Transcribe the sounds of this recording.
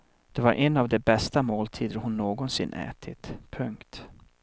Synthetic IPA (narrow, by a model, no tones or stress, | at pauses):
d̪̥ɛvaɾʔɛnːavd̪ɛbɛst̪amoːlt̪ʰiːd̪əɾhʊnːoːɡɔnsɪnːʔɛ̰ːt̪ʰɪt̪pʰɵŋkt̪